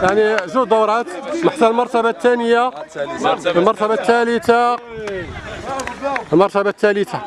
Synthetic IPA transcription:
jaʕniʒud̪ɑwɾˤɑt̪maħt̪ːælmɑɾˤt̪æbat̪ːænəja | əlmɑɾˤt̪æbat̪ːælət̪a | əlmɑɾˤt̪æbat̪ːælət̪ʰa

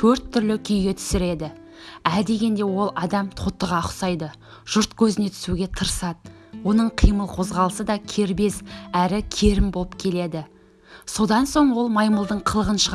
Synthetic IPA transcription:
t̪ʰɵɾt̪ʰːʏɾlɪkʲʰʏjɡʲe̞t̪ʰʏ̥sɪɾe̞d̪ɪ | æd̪e̞ɡʲe̞nd̪e̞wo̞lˠɑd̪ɑmt̪ʰot̪ːəʁɑqsɑjd̪ə | ʒ̥ʊɾt̪kʲʰɵzɪne̞t̪ʰʏ̥suɡʲe̞t̪ʰəɾsɑd̪ | wo̞nəɴqʰijməlˠqʰo̞zʁɑlˠəsəd̪ɑkʲʰe̞ɾbe̞zæɾɪkʲʰe̞ɾɪmbo̞lˠəpkʲʰe̞le̞d̪ɪ | so̞d̪ɑnso̞ɴwo̞lˠmɑjməlˠd̪əɴqʰəlˠəʁənʃəʁ

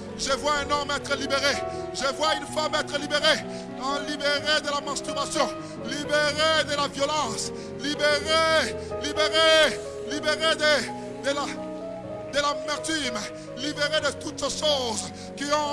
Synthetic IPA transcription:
ʒəvwaɛ̃nɔmɛt̪χəlibeʁeʒəvwaynfamɛt̪χəlibeʁe | ɛ̃libeʁed̪əlamɑ̃st̪yʁasjɔ̃ | libeʁed̪əlavjɔlɑ̃s | libeʁe | libeʁe | libeʁed̪ə | d̪əla | d̪əlamɛʁt̪ym | libeʁed̪ət̪ut̪seʃoz | kiɔ̃

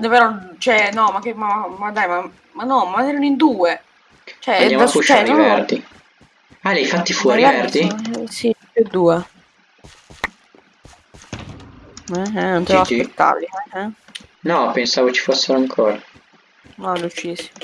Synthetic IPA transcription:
d̪peɾɔt͡ʃɛnɔmakːemamaad̪ajma | manːɔmaanɛɾanoind̪uːe | t͡ʃɛaamaut͡ʃt͡ʃɛɾivɛrd̪i | alajfat̪ːifwɔːɾiaɛrd̪isipjud̪uːe | ɛɛnõnt̪evaet̪ːa̰ɾlːiɛɛnɔpensaːvokt͡ʃːi̥fosːeɾoaŋkʰoːɾa | nɔlut͡ʃisi̥

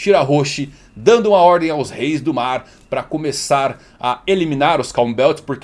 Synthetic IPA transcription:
t͡ʃiɾaɦoʃɪ | d̪ɐ̃nd̪ʊũmɐɔɾd̪ẽj̃awzhejzd̪ʊmaɾ | pɾɐkomesaɾ | ɐelimĩnaɾʊskaw̃bɛwt͡ʃɪspoɾk

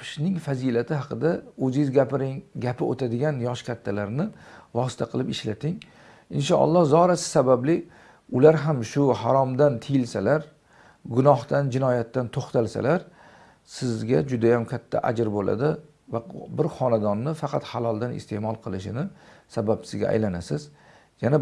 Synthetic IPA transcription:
ɪ̥ʃnɪŋfazilat̪ʰɪɦɑqʰɨd̪aɵzzʲɾɪɡʲapʰɪot̪ʰad̪ɪɡʲanjɒʃkʲʰat̪ʰːalaɾnɪvɒsɪ̥t̪ʰaqʰɨlˠɪpɪʃlat̪ʰɪŋ | ɪnʃɒɑ̰lˠːɒhzɒɾasɪ̥sabablɪ | ʊlaɾɦamʃʊhaɾɒmd̪ant̪ʰɪjɪlsalaɾ | ɡʊnɒhd̪and͡ʒɪnɒjat̪ːant̪ʰoχt̪ʰalsa̰laɾ | sɪzɡʲad͡ʒʊd̪ajamkʲʰat̪ʰːa̰ʔad͡ʒɾbolʔa̰d̪ɪ | vabɪɾχɒnad̪ɒnːɪfɑqʰɑt̪halˠɒlˠd̪anɪ̰st̪ʰe̞mɒlˠqʰɨlˠɪʃɪnɪsabapsɪzɡʲa̰ʔa̰jlanasɪz | jana

